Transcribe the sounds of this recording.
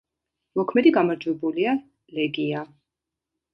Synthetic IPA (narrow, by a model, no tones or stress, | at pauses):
mɔkʰmɛd̪iɡamaɾd͡ʒwɛbulia | lɛɡia